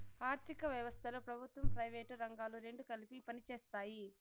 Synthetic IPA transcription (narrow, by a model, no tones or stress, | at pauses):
aːɾt̪ʰikɐʋjɐʋɐst̪ʰɐloːpɾɐbʱut̪ʋɐmpɾɐjʋeːʈɾɐŋɡaːluɾe̞ɳɖukɐlipipɐnit͡ʃeːst̪aːji